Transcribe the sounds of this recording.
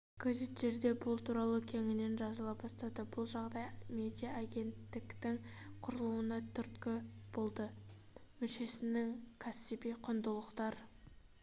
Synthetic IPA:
ɡ̥ʰozit̪ʒe̞ɾd̪e̞bʊlˠt̪ʰuɾɑlˠəkʲʰe̞ŋɪne̞nʒɑzəlˠɑp̚bɑst̪ɑd̪əbʊlˠʒɑʁd̪ɑjmed̪ijaaɡʲe̞nt̪ːɪkt̪ɪŋqʰʊɾəlˠuwənɑt̪ʰʏɾt̪kʲɪb̥o̞lˠd̪ə | mʏʃe̞sɪnɪŋkʲʰɑsibijqʰʊnd̪əlˠəqt̪ɑɾ

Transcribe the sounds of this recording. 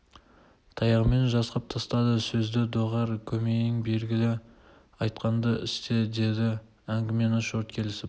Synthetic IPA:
t̪ʰɑjɑʁme̞nʒɑsqɑp̚t̪ʰɑst̪ɑd̪əsɵzd̪ɪd̪oʁɑɾkʲʰɵme̞nɪŋbe̞lɡʲɪlɪ | ɑjt̪̚qɑnd̪əɪst̪e̞d̪e̞d̪ɪ | æŋɡʲɪme̞nɑʃoɾt̪̚kʲʰe̞lɪsɪ

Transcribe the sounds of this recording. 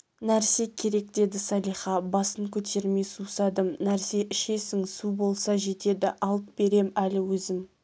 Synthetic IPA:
næɾse̞kʲʰe̞ɾe̞k̚d̪e̞d̪ɪsɑlˠijχɑbɑsəŋkʲʰɵt̪ʰe̞ɾme̞jsusɑd̪əmnæɾse̞ʔɪʃe̞sɪŋsubo̞lˠsɑʒe̞t̪e̞d̪ɪ̰ʔɑlˠəp̪̚be̞ɾe̞mælɪwɵzɪm

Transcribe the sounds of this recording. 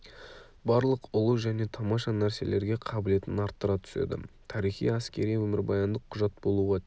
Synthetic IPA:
bɑɾlˠəqʊlˠuʒæne̞t̪ʰɑmɑʃɑnæɾse̞le̞ɾɡʲe̞qʰɑbɪle̞t̪ɪnɑɾt̪ːəɾɑt̪ʰʏ̥sḛd̪ɪ̰t̪ʰɑɾijχḭjæskʲe̞ɾijwɵmɪɾbɑjɑnd̪əqʰʊʒɑt̪̚bo̞lˠuʁɑ

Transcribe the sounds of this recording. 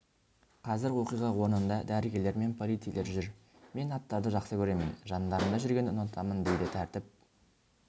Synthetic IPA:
qʰɑzɪɾwo̞qijʁɑwo̞ɾnənd̪ɑd̪æɾɪɡʲe̞le̞ɾme̞npʰo̞lijt̪sijlʔe̞ɾʒʏɾ | me̞nɑt̪ːɑɾd̪əʒɑqsəkʲʰɵɾe̞mɪnʒɑnd̪ɑɾəɴd̪ɑʒʏɾɡʲe̞nʊnɑt̪ʰɑmənd̪ejd̪ɪt̪ʰæɾt̪ɪp̚

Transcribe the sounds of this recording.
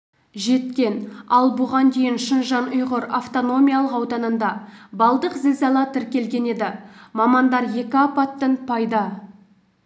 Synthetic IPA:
ʒe̞t̪kʲe̞nɑlˠbʊʁɑnd̪e̞jɪnʃənʒɑnʊjʁəɾaft̪o̞no̞mʲijalˠəqɑwd̪ɑnənd̪ɑbɑlˠd̪əqzelzɑlˠɑt̪ʰɪɾkʲe̞lɡʲe̞ne̞d̪ɪmɑmɑnd̪ɑɾje̞kʲɪɑpɑt̪ːənpʰɑjd̪ɑ

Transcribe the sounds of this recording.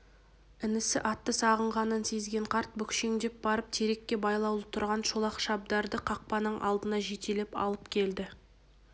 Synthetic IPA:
ɪnɪsɪʔɑt̪ːəsɑʁəɴʁɑnənse̞zɡʲe̞ɴqʰɑɾt̪̚bʏkʲʃe̞ŋd̪e̞p̚bɑɾəp̚t̪ʰeɾe̞kʲːe̞bɑjlˠɑwlˠəp̚t̪ʰʊɾʁɑnʃolˠɑqʃɑb̚d̪ɑɾd̪əqʰɑq̚pɑnəɴʔɑ̰lˠd̪ənɑʒet̪elepɑ̰lˠəpkʲʰe̞ld̪ɪ

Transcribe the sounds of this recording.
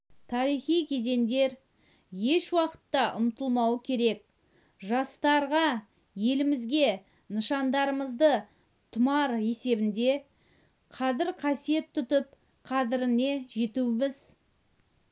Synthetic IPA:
t̪ʰɑɾijχijkʲʰe̞ze̞nd̪e̞ɾ | je̞ʃwɑqə̥t̪ːɑʔʊmt̪əlˠmɑwəkʲʰe̞ɾe̞k̚ | ʒɑst̪ɑɾʁɑ | je̞lɪmɪzɡʲe̞ | nəʃɑnd̪ɑɾəməzd̪ə | t̪ʰʊmɑɾe̞se̞bɪnd̪e̞ | qʰɑzɪɾqʰɑsije̞t̪ʰːʏt̪əp̚ | qʰɑd̪ɪɾɪne̞ʒe̞t̪uɪmɪz

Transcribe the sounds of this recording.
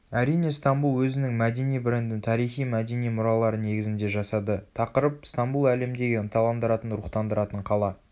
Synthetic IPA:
æɾijne̞st̪ɑmbulˠwɵzɪnɪŋmæd̪e̞nijbɾe̞nd̪ɪnt̪ʰɑɾijχijmæd̪e̞nijmʊɾɑlˠɑɾəne̞ɡʲɪzɪnd̪e̞ʒɑsɑd̪ət̪ʰɑqəɾəp̚st̪ambulˠæle̞md̪e̞ɡʲɪənt̪ʰɑlˠɑmd̪əɾɑt̪ənɾʊqt̪ɑnd̪əɾɑt̪əɴqʰɑlˠɑ

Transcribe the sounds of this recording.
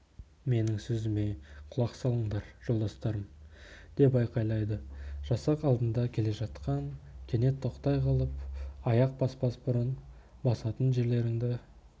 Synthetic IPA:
me̞nɪŋsɵzɪme̞qʰʊlˠɑqsɑlˠəɴd̪ɑɾʒ̥olˠd̪ɑst̪ɑɾəmd̪̥e̞pɑjqɑjlˠɑjd̪əʒ̥ɑsɑqɑlˠd̪ənd̪ɑkʲʰe̞le̞ʒɑt̪qɑŋkʲʰe̞ne̞t̪ʰːo̞qt̪ɑjqʰɑlˠəp̚ɑjɑq̚pɑsbɑsbʊɾən | bɑsɑt̪ənʒe̞ɾle̞ɾɪŋd̪ɪ

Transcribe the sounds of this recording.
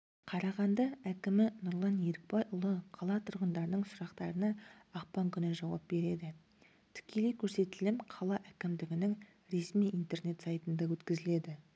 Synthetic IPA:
qʰɑɾɑʁɑnd̪ɑækʲɪmɪnʊɾlˠɑnje̞ɾɪk̚pɑjʔʊlˠəqʰɑlˠɑt̪ʰʊɾʁənd̪ɑɾənəɴsʊɾɑqt̪ɑɾənɑɑqpɑŋkʲʰʏnɪʒɑwɑ̰p̚be̞ɾe̞d̪ɪ | t̪ʰɪ̥kʲʰe̞le̞jkʲʰɵɾse̞t̪ɪlɪmqʰɑlˠɑʔækʲɪmd̪ɪɡʲɪnɪŋ | ɾe̞smijʔijnt̪e̞ɾne̞t̪sɑjt̪ənd̪ɑwɵt̪kʲɪzɪle̞d̪ɪ

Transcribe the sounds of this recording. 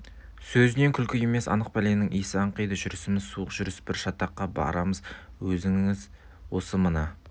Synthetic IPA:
sɵzɪne̞ŋkʲʰʏlkʲɪje̞me̞sɑ̰nəq̚pælenɪŋʔijsɑɴqijd̪əʒʏɾɪsɪmɪzsuəqʒ̥ʏɾɪsbɪɾʃɑt̪ɑqːɑbɑ̰ɾɑməz | wɵzɪŋɪɪz | wo̞səmənə

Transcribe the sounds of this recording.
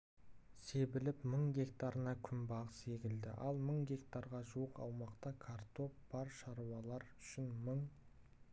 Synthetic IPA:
se̞bɪlɪpməɴɡʲe̞kt̪aɾənɑkʲʰʏmbɑʁəse̞kʲɪld̪ɪ̰ʔɑlˠməɴɡʲe̞kt̪aɾʁɑʒuəqɑ̰wmɑqt̪ɑkʰart̪o̞pb̥ɑɾʃɑɾuwɑlˠɑɾʏʃɪnməɴ

